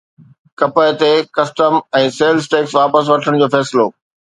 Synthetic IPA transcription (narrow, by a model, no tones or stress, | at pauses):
kɐpəɪt̪ekɐsʈəmɛ̃ːseːlsʈeːksʋaːpəs̬ʋɐʈʰəɽ̃d͡ʑoːfɛːsɪloː